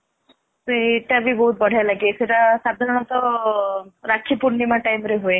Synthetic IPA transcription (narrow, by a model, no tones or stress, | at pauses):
seʈabʱibɔɦut̪̚bəɽ̤ʱajlaɡeseʈasad̪ʱaɾɔɳ̃ɔt̪ɔ | ɾakʰipuɾnimãʈajmɾeɦoe